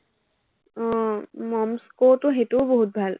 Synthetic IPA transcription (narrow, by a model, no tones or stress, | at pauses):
mɔmskotʊɦetuboɦut̚bʱal